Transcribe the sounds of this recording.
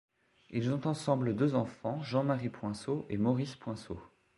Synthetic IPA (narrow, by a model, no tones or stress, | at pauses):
ilzɔ̃t̪ɑ̃sɑ̃bləd̪øzɑ̃fɑ̃ʒɑ̃maʁipwɛ̃soʔemɔʁispwɛ̃so